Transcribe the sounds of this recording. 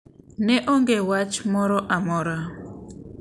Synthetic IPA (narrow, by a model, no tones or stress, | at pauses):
nɛʔɔŋɡɛwat͡ʃmɔɾɔʔamɔɾa